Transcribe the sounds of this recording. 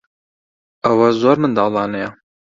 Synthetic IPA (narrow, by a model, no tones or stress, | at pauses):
ɐwɐzoːɾmɨnd̪ɑːlˠɑːnɐjɐ